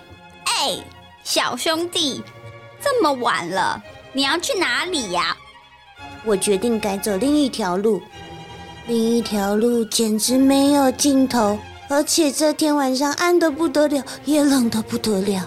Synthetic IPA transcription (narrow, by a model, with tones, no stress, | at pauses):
e˥˩ɪ | ɕjɑ˨˩ʊɕʊ˥ŋt̪i˥˩t͡sə˥˩mə˨wa̰˨˩nlə̰˦ni˨jɑ˥˧ʊt͡ɕʰy˥˩na˧˥˦li˨˩a̰˩˦ | wɔ˨˩t͡ɕɥɛ˧˥t̪i˥˩ŋka˧˥ɪt͡so˨˩ʊli˥˧ŋi˥˩t̪ʰjɑ˧˥ʊlu˥˩ | li˥˧ŋi˥˩t̪ʰjɑ˧˥ʊlu˥˩t͡ɕjɛ˨˩nʈ͡ʂɻ̩˧˥me˧˥ɪjo˨˩ʊt͡ɕi˥˩nt̪ʰo˧˥ʊ | ə˞˧˥t͡ɕʰjɛ˨˩ʈ͡ʂɤ˥˧t̪ʰjɛ˧˥nwa˨˩nʂ̬ɑ˥˧ŋʔa˥˧nd̪ə˨pu˥˩t̪ɤ˧˥ljɑ˨˩˦ʊjɛ˨˩lə˨˩ŋd̪ə˨pu˥˩t̪ɤ˧˦ljɑ˨˩˦ʊ